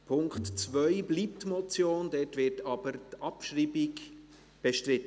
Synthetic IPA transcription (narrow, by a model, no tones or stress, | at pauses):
pʰʊŋktt͡sʋœʏbliːptmɔt͡sjoːndɛtʋɪtɑb̥əɾtɑpʃriːbɪɡ | b̥eʃtɾɪt̪ːə